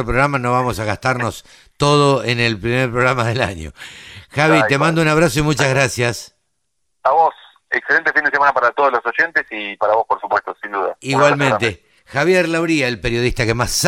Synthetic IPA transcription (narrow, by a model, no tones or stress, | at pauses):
ɾop̬ɾoɣɾamano̞βamosaɣast̪aɾnos | t̪o̞ð̞oenelpɾimeɾpɾoɣɾamaðela̰ɲo̰xaβit̪e̞mãnd̪ounaβɾaso̞imut͡ʃazɣɾasjas | aβos | ekselent̪efind̪esemanapaɾat̪oð̞olosoʒent̪esipaɾaβospoɾsupwest̪osind̪uðaiɣwalmẽnt̪e | xaβjeɾlaβɾiaelpeɾjo̞ð̞iht̪akemas